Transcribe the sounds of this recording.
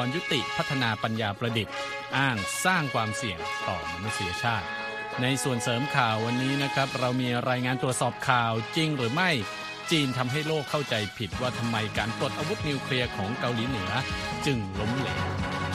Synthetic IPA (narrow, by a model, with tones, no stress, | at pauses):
ɔː˧nju˦˥t̪i˨˩ʔpʰa˦˥t̪ʰːa˧naː˧pa˧njaː˧pɾa˧di˨˩t̪̚ | ʔaː˥˩ŋsaː˥˩ŋkʰwaː˧msi˨˩əŋt̪ɔ̰ː˨˩ma˧˩na˦˥si˩˦ɐ˧t͡ɕʰaː˥˩t̪̚ | na˧jsu˨˩ənsɤː˩˦mkʰaː˨˩wːa˧nːiː˦˥na˦˥kʰɾa˦˥p̚ɾa˧wmiː˧ɾaː˧jŋaː˧nt̪ɾu˨˩ət̪̚sɔː˨˩p̚kʰaː˨˩wt͡ɕi˧ŋɾɯː˩˦ma˥˩j | t͡ɕiː˧nt̪ʰa˧mɦa˥˩jloː˥˩kʰːa˥˩wt͡ɕa˧jpʰi˨˩t̪̚waː˥˩t̪ʰa˧mːa˧jkaː˨˩npɾu˨˩t̪ʔa˧wu˦˥t̪̚niː˧wkʰli˧ɐkʰɔː˩˦ŋka˧wliː˩˦nɯ˩˦ɐt͡ɕɯ˧ŋlo˧˥m˦˥˩lɛ̰ː˩˦w